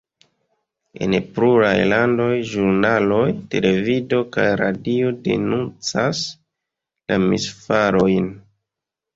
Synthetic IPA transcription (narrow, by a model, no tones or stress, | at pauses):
e̞̰npluɾajlando̞jʒuɾnalo̞jte̞le̞vido̞kajɾadio̞de̞̰nunt͡sas | lamisfaɾo̞jn